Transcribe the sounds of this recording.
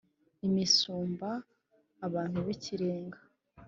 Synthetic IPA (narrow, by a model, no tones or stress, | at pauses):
imisuːmbaː | βaːn̥huβiciɾeːŋɡḁ